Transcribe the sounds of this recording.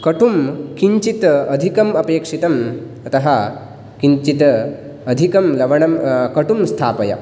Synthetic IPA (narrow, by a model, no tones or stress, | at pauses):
kɐʈumkiɲt͡ʃit̪ɐd̪ʱikɐmɐpeːkʂit̪ɐm | ɐt̪ɐɦɐ | kiɲt͡ʃit̪ɐ | ɐd̪ʱikɐmlɐʋɐɳɐmkɐʈumst̪ʰaːpɐjɐ̰